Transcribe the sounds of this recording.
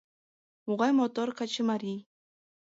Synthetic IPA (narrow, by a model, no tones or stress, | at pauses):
moɢɑjmot̪oɾkat͡ʃɪmaɾij